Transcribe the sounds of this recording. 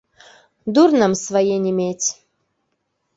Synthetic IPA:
d̪urnəmsvajenʲimʲetʲ

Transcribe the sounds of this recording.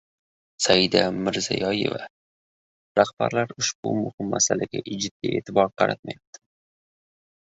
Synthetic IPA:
sajɪd̪amɪɾzajɒje̞̰va | ɾahb̥aɾlaɾʊʃbʊmʊhɪmːasalaɡʲa̰ʔɪd͡ʒɪd̪lie̞ːt̪ʰɪbɒɾqʰɑɾa̰t̪̚majap̚t̪ʰɪ̥

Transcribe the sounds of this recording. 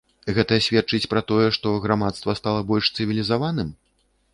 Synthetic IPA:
ɣɛt̪ɐsʲvʲɛt̪̚t͡ʂɨt͡sʲpɾat̪ɔjɛʂt̪ɔɣɾamat̪st̪vɐst̪alˠɐbɔlʲʂt̪sɨvʲilʲizavanɨm

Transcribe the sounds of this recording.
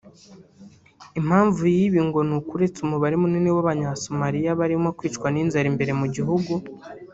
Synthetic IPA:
im̥haːɱvujiβiŋɡo̞nukuɾe̞t͡sumuβaɾemuninewaβaɲasomaɾijaβaɾimokwiːt͡ʃkwaniːnzaɾimbe̞ɾe̞muɟiɦuɡu

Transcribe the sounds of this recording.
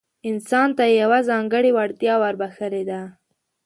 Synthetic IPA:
ɪnsɑnt̪ajawazɑŋɡəɽiwaɽt̪jɑwaɾbaxəled̪a

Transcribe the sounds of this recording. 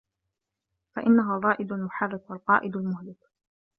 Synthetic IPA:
faʔɪnːaɦaːðˤɑːʔɪd̪almʊħarːɪkwalqɑːʔɪd̪almʊhlɪk

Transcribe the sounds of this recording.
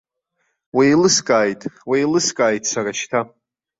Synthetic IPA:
wijlɨskʼaːjtʼwajlɨskʼaːjtʼsaraʃtʰa

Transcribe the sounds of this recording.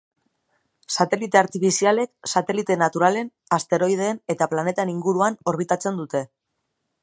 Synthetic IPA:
sat̪e̞lit̪e̞aɾt̪ifisiale̞ksat̪e̞lit̪e̞nat̪uɾale̞n | ast̪e̞ɾo̞ið̞e̞ːne̞t̪aplane̞t̪aeniŋɡuɾuano̞ɾβ̞it̪at͡se̞nd̪ut̪e̞

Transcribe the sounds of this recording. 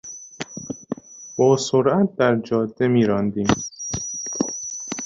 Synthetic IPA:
b̥ɒːsoɾʔæt̪̚d̪æɾd͡ʒɒːd̪ːemiːɾɒːnd̪iːm

